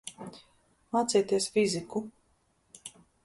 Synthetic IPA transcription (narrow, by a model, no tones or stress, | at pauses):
at̪sɛjt̪iɛsfʲiziku